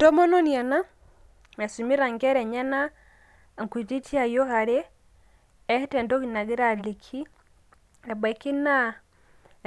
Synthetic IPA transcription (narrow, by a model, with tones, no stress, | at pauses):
dɔ˦mɔ˦nɔ˦nia˨na˦ | a˨su˨mi˦ɾa˨ŋɡɛ˦ɾɛ˨ɲa˦na˦ | ŋ˨ku˨d͡ʒi˦tʰi˦a˨jɔ˦ha˨ɾeː˦ | he˦tɛ˨ndɔ˦ki˨na˨ɣe˦ɾa˨le˨kʰi˦ | ɛ˨bɛ˨ki˦na˦